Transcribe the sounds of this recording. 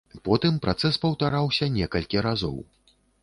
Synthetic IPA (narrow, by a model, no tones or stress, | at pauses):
pɔt̪ɨmpɾat̪sɛspɐwt̪aɾawsʲɐnʲɛkɐlʲkʲiɾazɔ̰w